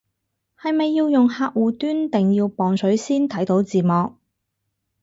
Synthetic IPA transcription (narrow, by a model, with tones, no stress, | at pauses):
hɐ˨jmɐ˨jːiː˧wjʊ˨ŋhaː˧k̚wuː˨˩t̪yː˥nt̪ɪ˨˩ŋjiː˧wpɔː˨ŋsɵ˨˥ɥsiː˥nt̪ʰɐ˨˥jt̪o˨˥wt͡siː˨mɔː˨k̚